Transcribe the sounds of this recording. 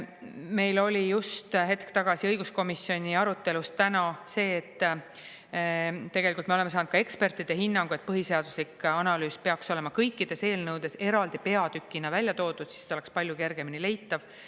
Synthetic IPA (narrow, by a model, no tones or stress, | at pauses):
me̞jlo̞lʲijust̪ɦe̞t̪kt̪ɑɡ̥ɑsiɤjɡ̥usko̞misːjo̞nʲiɑɾut̪ːˑe̞lust̪t̪ænɑse̞ːt̪ː | t̪e̞ɡ̥elikult̪meoemesɑːnud̪̥̚kɑe̞kspe̞rt̪ːˑid̪̥eɦinːɑŋɡ̥ue̞t̪̚pɤɦise̞ɑd̪̥uslikɑnɑlyːspe̞ɑkso̞le̞mɑkɤjkːid̪̥e̞se̞ːlnɤwd̪e̞se̞ɾɑld̪̥ipe̞ɑd̪̥ykˑːinɑvælʲjɑt̪o̞ːd̪ud̪̥si̥st̪ole̞kspɑlʲjuke̞rɡ̥e̞minile̞jt̪ːɑv